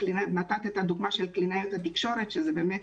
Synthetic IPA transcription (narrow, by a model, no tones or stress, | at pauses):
linnat̪at̪et̪ad̪uɡmaʃelklinajut̪at̪ikʃo̞ʁet̪ʃezebeːmet̪